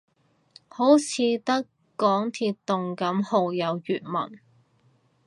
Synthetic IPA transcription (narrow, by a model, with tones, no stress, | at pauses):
ho˨˥wt͡sʰiː˨˧t̪ɐ˥k | kːɔː˨˥ŋt̪ʰiː˧tt̪ːʊ˨ŋkɐ˨˥mho˨˧wjɐ˨˧wjyː˨t̚mɐ̰˨˩n